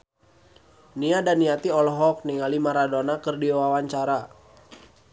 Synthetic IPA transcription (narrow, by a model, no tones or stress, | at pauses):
niadaniat̪iɔlɔɦɔk̚niŋalimaɾadonakərdiwawaɲt͡ʃaɾa